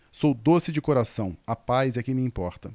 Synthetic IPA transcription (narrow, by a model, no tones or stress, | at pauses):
sowd̪osɪd͡ʒɪkoɾasɐ̃w̃apajzɛɐkẽj̃mɪ̃ĩpɔɾt̪ɐ